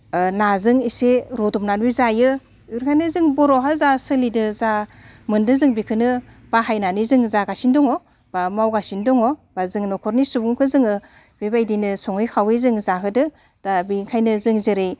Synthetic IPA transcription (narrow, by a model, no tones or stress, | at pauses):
nazɯŋiseɾɔdɔmnanbizajɯ | uɾkʰanɯzɯŋbɔɾɔɦazasɯlidɯzamɯndɯzɯŋbikʰɯnɯ | b̥aɦajnanizɯŋzaɡasindɔŋɔ | bamawɡasindɔŋɔb̥azɯŋnɔkʰɔɾnisubuŋkʰɯzɯŋɯ | b̥ibajdinɯsɔŋɯjkʰawezɯŋzaɦɯdɯ | d̥abiŋkʰajnɯzɯŋzɯɾɯj